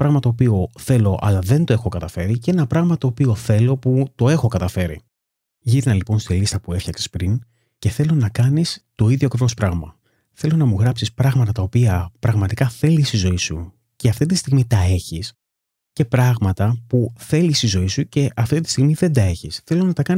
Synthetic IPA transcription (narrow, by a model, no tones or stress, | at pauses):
pɾɐɣmɐt̪o̞ːpio̞θe̞lo̞ʔɐ̰lɐðe̞nt̪o̞e̞xo̞kɐt̪ɐfe̞ɾiceenɐpɾɐɣmɐt̪o̞ːpio̞θe̞lo̞put̪o̞e̞xo̞kɐt̪ɐfe̞ɾḭ | ʝiɾnɐlipo̞nst̪ilist̪ɐpue̞fçɐkse̥spɾin | ce̞θe̞lo̞nɐkɐnist̪o̞iðʝoɐkɾevo̞spɾɐɣmɐ | θe̞lo̞nɐmuɣɾɐpsispɾɐɣmɐt̪ɐt̪ɐo̞piɐpɾɐɣmɐt̪ikɐθe̞lisizo̞isu | ce̞ɐft̪it̪ist̪iɣmit̪ɐe̞çis | ce̞pɾɐɣmɐt̪ɐpuθe̞lisizo̞isuce̞ʔɐft̪it̪i̥st̪iɣmiðe̞nd̪ɐe̞çisθe̞lonɐt̪ɐkɐn